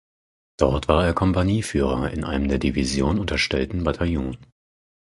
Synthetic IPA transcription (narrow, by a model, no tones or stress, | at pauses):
d̥ɔɐtv̥aːɐeːɐkʰɔmpaniːfyːʁ̞ɐɪ̰nʔa̰ɪnəmdeːɐdivizjoːnʊntɐʃtɛltn̩batʰajuːn